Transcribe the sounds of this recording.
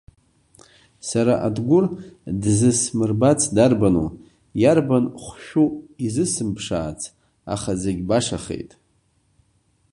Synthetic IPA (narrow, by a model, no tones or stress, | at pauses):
saɾaʔadɡʷʊrdzɨsmɨrbat͡sʰdarbanṵ | jarbanχʷʃᶣuizɨsɨmpʰʂa̰ːt͡sʰ | a̰χazeɡʲbaʂaχḛjtʼ